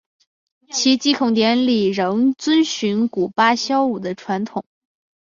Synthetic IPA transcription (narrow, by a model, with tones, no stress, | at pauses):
t͡ɕʰi˧˥t͡ɕi˥kʰʊ˧˩ŋt̪jɛ˧˥nli˨˩ɻɤ˧˥ŋt͡swə˥nɕy˧˥nku˨˩pa˥ɕjɑ˥ʊu˨˩d̪ə˦ʈ͡ʂʰwa˧˥nt̪ʰʊ˨˩˦ŋ